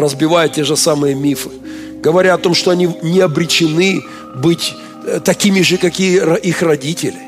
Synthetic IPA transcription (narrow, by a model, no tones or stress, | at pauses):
rəzbʲɪvajʊtʲːeʐɨsamɨjəmʲifɨ̥ | ɡəvɐɾʲaɐt̪o̞mʂt̪oɐnʲinʲɪɐbɾʲɪt͡ɕɪnɨ | bɨtʲ | t̪ɐkʲimʲɪʐɨkɐkʲijəɐʔixrɐdʲitʲɪlʲɪ